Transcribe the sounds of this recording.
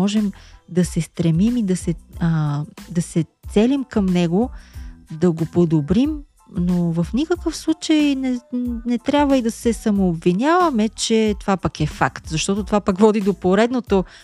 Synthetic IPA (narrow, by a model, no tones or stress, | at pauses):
ɔʒɛmd̪ɐsɛst̪ɾɛmimid̪ɐsɛəd̪ɐsɛt̪sɛlimkəmnɛɡo | d̪ɐɡopod̪obɾim | novəfnikəkəfslˠut͡ʃəjnɛnɛt̪ɾʲabvəid̪ɐsɛsɐmoːbvinʲavəmɛt͡ʃɛt̪ovapɐkɛfakt̪zɐʃt̪ɔt̪ot̪ovapakvɔd̪id̪opoɾɛd̪not̪o